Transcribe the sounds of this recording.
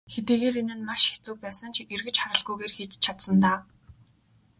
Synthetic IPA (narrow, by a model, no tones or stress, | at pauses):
xet̪iːɣeːɾenɘ̆nmaʃe̥t͡suːk̚pæːsə̆ŋt͡ɕʰirɣɘ̆t͡ɕχaɾə̆ɮɣujɣeːrxiːt͡ɕt͡ɕʰat̪sə̆nt̪aː